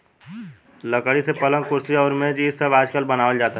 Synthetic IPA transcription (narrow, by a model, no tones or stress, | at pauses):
ləkəɽisepɐlə̃ŋkʊɾsiɔːɾmẽːd͡ʒisəbaːd͡ʒkəlbɐnaːʋəld͡ʒaːt̪a